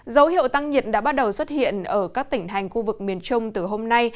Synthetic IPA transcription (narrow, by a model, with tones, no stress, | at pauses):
zə˨˦whḭ˧˨əwt̪a˧ŋɲi˨˩ət̚ɗa̰ː˧˥ɓa˦˥t̚ɗə˨˩wswə˦˥t̚hḭ˧˨ənʔəː˧˩kaː˦˥k̚t̪ï˧˩ŋ̟ɦa˨˩jŋ̟xu˧vɨ˨˩k̚mi˨˩ənt͡ɕʊ˧ŋ͡mt̪ɨ˨˩ɦo˧mna˧j